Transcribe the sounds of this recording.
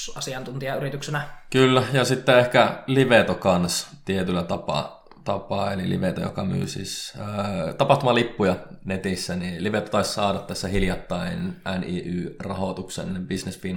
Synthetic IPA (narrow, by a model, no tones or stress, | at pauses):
ɑsiɑnt̪unt̪iɑyɾit̪yksenækylːæjɑsit̪ːeehkæliʋet̪okɑnst̪iet̪ylːæt̪ɑpɑ̰ | t̪ɑpɑːelilḭʋet̪o̰jo̰kɑmy̰ːsḭːs | t̪ɑpɑht̪umɑlipːujɑnet̪isːæniliʋet̪ot̪ɑissɑːɾɑt̪t̪æsːæhiljɑt̪ːɑinʔæniːʔyːrɑhot̪uksḛnbisnesfiːn